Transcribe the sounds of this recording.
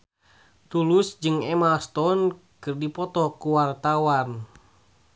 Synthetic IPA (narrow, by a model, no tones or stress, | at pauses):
t̪ulusd͡ʒɨŋɛmast̪ɔnkɨrdipɔt̪ɔkuwart̪awan